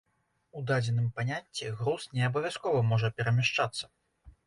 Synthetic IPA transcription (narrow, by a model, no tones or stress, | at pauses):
ud̪ad͡zʲɛnɨmpanʲat͡sʲːɛɣɾusnʲɛɐbɐvʲjaskɔvɐmɔʐɐpʲɛɾɐmʲaʂt͡ʂat̪sːɐ̥